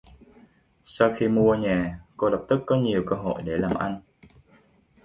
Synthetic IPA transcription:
sa˧wxi˧mu˧əɲɛː˨˩ko˧ɗə˨˩wk͡p̚t̪ɨ˦˥k̚kɔ˨˦ɲi˨˩əwkəː˧ɦo̰˧˨jɗe˧˩laː˨˩mʔa˧jn

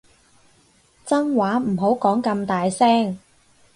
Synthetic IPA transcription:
t͡sɐ˥nwaː˨˥m̩˨˩ɦo˨˥wkɔː˨˥ŋkɐ˧mt̪aː˨jsɛː˥ŋ

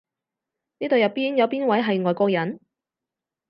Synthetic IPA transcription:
niː˥t̪o˨wjɐ˨˩piː˥njɐ˨˧wpiː˥nwɐ˨˥jɦɐ˨jŋɔː˨jkɔː˧k̚jɐ˨˥n

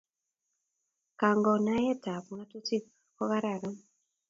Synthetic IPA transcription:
ka˨ŋɡɔ˨na˦jɛ˦ta˨pu˨ŋa˦tu˦ti˦ | kɔ˦ɣa˦ɾa˨ɾɔ˦

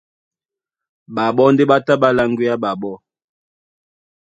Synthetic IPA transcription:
ba˨ɓɔ˦n˦de˦ɓa˦ta˦ɓa˦la˦ŋɡwi˦a˦ɓa˨ɓɔ˦

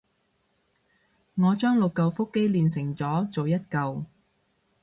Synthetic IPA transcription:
ŋɔː˨˧t͡ʃœː˥ŋlʊ˨kːɐ˧wfʊ˥kːe˥jliː˨nsɪ˨˩ŋt͡sɔː˨˥t͡so˨wjɐ˥t̚kɐ˨˧w

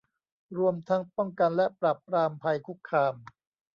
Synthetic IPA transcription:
ɾu˧əmt̪ʰa˦˥ŋpɔ˥˩ŋka˧nlɛ˦˥pɾaː˨˩pːɾaː˧mpʰa˧jkʰu˦˥kʰːaː˧m

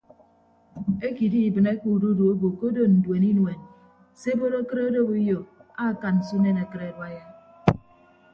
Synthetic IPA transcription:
e˦ki˨di˦i˨bɨ˨ne˦ku˨du˦du˨o˦bo˨ko˦do˦n̩˨dwe˨ni˦nwe˨n | se˦bo˦ɾo˦kɨ˦ɾe˦o˦do˦bu˦jo˨a˦˨ka˨nn̩˨su˦ne˦na˨kɨ˦ɾe˨ɾwa˦ja˦

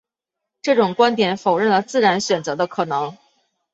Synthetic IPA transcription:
ʈ͡ʂɤ˥˩ʈ͡ʂʊ˨˩ŋkwa˥nt̪jɛ˨˩˦nfo˨˩ʊɻə˥˩nlə˩t͡sɹ̩˥˩ɻa˧˥nɕɥɛ˨˩nt͡sɤ˧˥d̪ə˧kʰɤ˨˩nɤ˧˥ŋ

